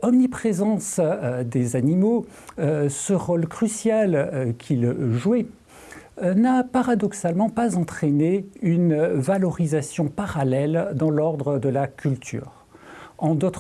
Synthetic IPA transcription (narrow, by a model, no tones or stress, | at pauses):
ɔmnipχezɑ̃sd̪ezanimo | səʁolkχysjalkʲʰilʒuɛ | napaʁad̪ɔksalmɑ̃pazɑ̃t̪χeneynvalɔʁizasjɔ̃paʁalɛld̪ɑ̃lɔʁd̪ʁəd̪əlakʲʰylt̪ʰy̰ːʁ | ɑ̃d̪ot̪χ